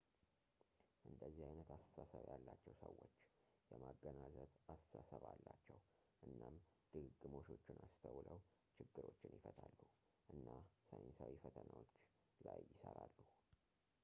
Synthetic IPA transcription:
ʔɨnd̪əzːihajnət̪ast̪ʰəsasəβjalːat͡ʃːɛwsəwo̞t͡ʃː | jɛmaɡːənazət̪ast̪əsasəβalːat͡ʃːɛw | ʔɨnːamd̪̥ɨɡɨɡːɨmo̞ʃo̞t͡ʃːɪnʔast̪ʰəwlaəwt͡ʃɪɡːɨɾo̞t͡ʃːɪnjɪfət̪ʰalːu | ʔɨnːasəjnsawifət̪ʰənawot͡ʃː | lajːɪsəɾalːu

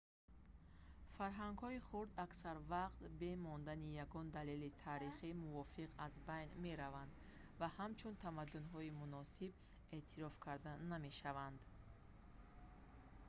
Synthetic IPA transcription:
faɾɦaŋɡhɔiχuɾd̪aksaɾvaqt̪be̞mɔnd̪anijaɡɔnd̪alelit̪ʰaːɾiχimuvɔfiqazbajnme̞ɾavand̪ | vahamt͡ʃʰunt̪ʰamad̪ːunɦɔimunɔsib | e̞ʔt̪ʰiɾɔfkʰaɾd̪aname̞ʃavand̪

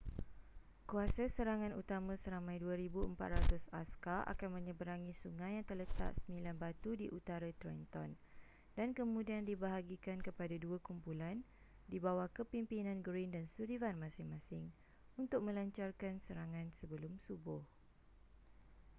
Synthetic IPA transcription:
kuasasəɾaŋãnut̪amãsəɾamãjduaɾibuəmpa̰t̪̚ɾat̪ʊsa̰skaʔa̰kanmə̃ɲə̃bəɾaŋĩsuŋãjaŋt̪ərlət̪a̰ʔsəmĩlanbat̪udiʔut̪aɾat̪ɾɔnt̪ɔ̰n | dankəmũdiandibaɦaɡikankəpadaduakumpulan | dibawahkəpimpinãnɡɾindansuɾivanmãsɪŋmãsɪŋ | unt̪ʊk̚mə̃laɲt͡ʃarkansəɾaŋãnsəbəlʊmsubʊh

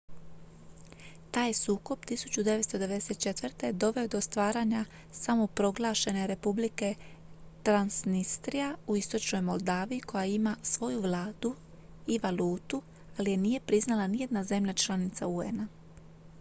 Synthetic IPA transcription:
t̪aːjsuːko̞b̚t̪isu̥t͡ɕud̪e̞ʋest̪o̞d̪eed̪eset̪̚t͡ʃe̞t̪ʋrt̪e̞d̪o̞ʋe̞o̞d̪ost̪ʋaːɾaɲa | samo̞pɾo̞ɡlˠaʃe̞ne̞ɾe̞publike̞ | t̪ɾansnist̪ɾijauist̪o̞t͡ʃno̞jmo̞lˠd̪aːʋiikʰo̞jaimasʋo̞juʋlˠaːd̪̥u | iʋaluːt̪u | alije̞nije̞pɾiznalanije̞d̪naze̞mʎat͡ʃlˠanit̪saue̞̰na

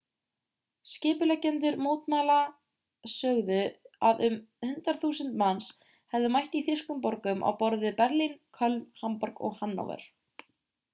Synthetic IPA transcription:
scɪːpʏlɛcːɛnt̪̬ʏɾmoːwt̪mala | sœːɣðʏaðʏmhʏnt̪ɾaɾθuːsʏnt̪mans | hɛvðʏmajht̪iθɪskʏmpɔɾkʏmʔa̰wpɔɾðɪpɛɾlinkʰœlnhampɔɾkɔ̰ɣhanːɔ̰wvɛ̰ɾ̥

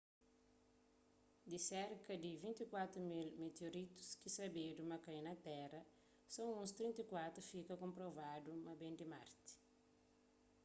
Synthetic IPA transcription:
d̪isɛɾkɐd̪ivĩnt̪ikwat̪ɾumilmet̪eoɾit̪u̥skisɐbedumɐkɐ̃jnɐt̪ɛrɐ | sõw̃ũst̪ɾĩnt̪ikwat̪ɾufikɐkõmpɾovadumɐbẽnd̪ima̰ɾt̪i̥

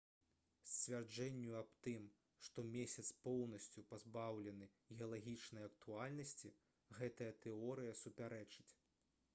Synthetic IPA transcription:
sʲt͡sʲvʲard͡ʐɛnʲːuɐbt̪ɨm | ʂt̪ɔmʲesʲɐt̪spɔwn̪ɐsʲt͡sʲupazbawlʲɛnɨ | ɣʲɛɐlˠaɣʲit͡ʂnɐjɐk̚t̪ualʲnɐsʲt͡sʲi | ɣɛt̪ɐjɐt̪ɛɔɾɨjɐsupʲaɾɛt͡ʂɨt͡sʲ

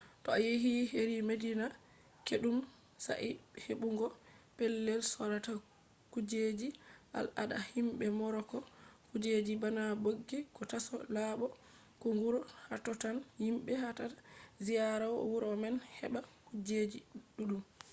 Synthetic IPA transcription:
tɔajeɦiheɾimedina | keɗum | sa̰ʔiheɓuŋɡɔpɛlːɛlsɔɾata | kud͡ʒed͡ʒiʔa̰la̰ɗa̰himbɛmɔɾɔkɔkud͡ʒed͡ʒibanaboɡːikɔtasɔ̰laɓɔ | kuŋɡuɾɔhatɔtanhimɓɛhatazijaɾawɔ̰wuɾɔmɛnhɛbakud͡ʒed͡ʒiɗuɗum

